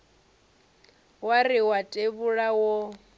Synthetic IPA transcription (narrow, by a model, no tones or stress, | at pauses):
wariwatʼeβuɺawɔ